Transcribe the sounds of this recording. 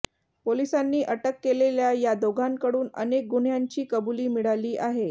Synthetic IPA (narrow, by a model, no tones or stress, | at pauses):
polisanːiːʔəʈəkːeleljajad̪oɡʱankəɽuːnə̰nek̚ɡuɳ̤jaɲt͡ɕiːkəbuliːmiɽaliːʔaɦe